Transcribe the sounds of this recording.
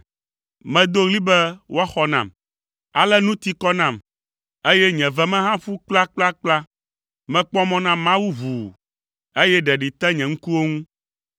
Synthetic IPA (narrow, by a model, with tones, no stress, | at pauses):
mɛ̃˨d̪o˦ɣli˦bɛ˦wo˦a˦xɔ˨nã̰˨m | a˨lɛ˦nũ˦t̪i˦kɔ˦nã˦˨m | e˦jɛ˦ɲɛ̃˨vɛ˦mɛ̃˦ɦã˦fu˦k͡pla˦k͡pla˦k͡pla˦ | mɛ̃˨k͡pɔ˦mɔ̃˦nã˦mã˦wu˦vu˨ | e˦jɛ˦ɖɛ˨ɖi˨t̪ɛ˦ɲɛ̃˨ŋ̩˦ku˦wo˦ŋũ˦